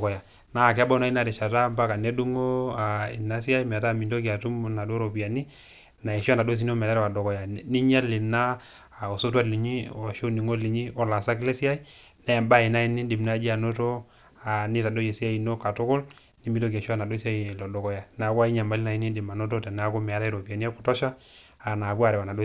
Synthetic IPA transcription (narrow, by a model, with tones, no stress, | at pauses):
kɔ˨ja˨ | na˦˨ka˦bɔ˦na˨˦i˦na˦˨dɛ˨ʃa˨ta˦mba˦ka˨ne˦du˦ŋo˦a˨ḭ˨na˦si˦a˦i˦m˨ta˦˨mi˨do˦ki˨a˨tu˦mna˨do˦ɾo˨pi˨a˨ni˦ | na˨e˨ʃa˦na˨do˦s̬i˦n˦o˦m˨a˦ɾwa˨do˨kɔ˨ja˨ni˦ɲa˦li˨na˦˨ | o˨so˦tu˦a˦li˨ɲi˦o˨ʃo˦ni˨ŋo˦li˨ɲi˦ɔ˦la˨sa˦kle˦si˦a˦i˦ | na˨˦ja˨mba˦˨i˨na˦ji˦ni˦di˨mna˦d͡ʒi˦a˨no˦to˦ | a˨ni˦ta˨do˦je˨si˦a˦i˨no˦ka˨to˦kʊ˦l | ni˦mi˦do˦ɡa˨ʃa˦˨na˨do˦sa˦i˨lɔ˨dɔ˨kɔ˨ja˨na˨ku˦a˦i˦ɲa˨mba˦li˦na˨i˨˦ni˦di˨ma˨no˦t̬o˦te˨n˦a˦ko˦mɛ˨a˨ta˦i˦ɾo˨pi˨a˨ni˦a˦ku̥˨tɔ˦ʃaː˦˨ | na˨bu˦a˨ɾɛ˨wa˨na˨do˦